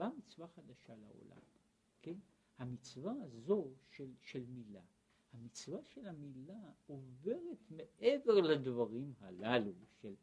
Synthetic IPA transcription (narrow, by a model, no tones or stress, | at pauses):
bamit͡svaχad̪aʃala̰o̞̰la̰m | ken | hamit͡svaazo̞ʃelʃe̞lmila | hamit͡svaʃe̞lamilaove̞ʁe̞t̪me̞ʔe̞ve̞ʁlad̪vaʁimhalaluʃel